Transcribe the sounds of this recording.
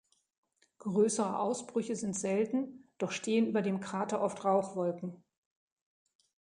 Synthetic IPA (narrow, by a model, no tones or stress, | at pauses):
ɡ̥ʁøːsəʁəʔaʊsb̥ʁʏçəzɪntz̥ɛltn̩d̥ɔχʃteːənyːbɐdeːmkʁ̥aːtɐʔɔftʁaʊxv̥ɔlkŋ̩